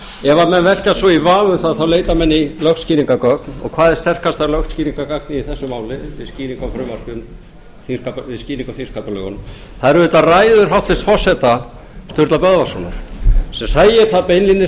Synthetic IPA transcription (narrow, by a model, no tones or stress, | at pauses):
ɛvamɛnvɛl̥casvɔivaːnʏθaðθawleːjt̪amɛnːilœxt̪sciːniŋkakœknɔ̰ɣkʰvaːðɪɾ̥st̪ɛr̥kast̪θaɾlœxt̪sciːniŋkakak̚nɪiθɛsːʏmaːwlɪɪsciːniŋkɔfɾʏmːar̥cʏn | θiskapɪsciːniŋkɔθinskapalœ̰ɣʏ̰nm | θaðɛɾʏʏt̪araːjðʏɾ̥ɦawht̪fɛst̪fɔr̥sɛt̪a | st̪ʏɾt̪lapœðvasɔna̰ɾ̥sɛmsaːjɪɾ̥θaðpejnlinːɪ